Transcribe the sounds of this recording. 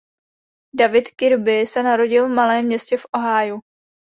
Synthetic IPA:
davɪt̪kɪɾbɪsɛnaɾo̞ɟɪlvmalɛːmːɲɛscɛfʔo̞ɦaːju

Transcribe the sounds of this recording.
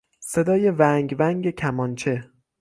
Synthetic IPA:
se̞d̪ɒːje̞væŋɟvæŋɟecʰæmɒnt͡ʃʰe̞

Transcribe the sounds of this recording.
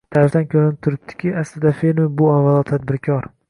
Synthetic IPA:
t̪ʰaɾɪft̪ankʲʰɵɾɪnɪp̚t̪ʰʊɾɪp̚t̪ʰɪ̥kʲʰɪaslɪd̪afelmɪbʊavːalˠɒt̪ʰad̪̚bɪɾkʲʰɒɾ

